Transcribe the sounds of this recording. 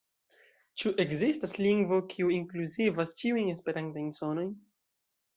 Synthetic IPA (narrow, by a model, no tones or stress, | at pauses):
t͡ʃuʔe̞ɡzistasliŋɡvo̞kʰiuiŋkluzivast͡ʃiujne̞spe̞ɾantajnso̞no̞jn